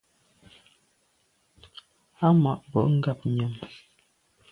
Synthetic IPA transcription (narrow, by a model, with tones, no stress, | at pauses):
a˦ma˨ʔbɔ̰˨ʔŋ̩˦ɡa˦˨p̚ɲə˨m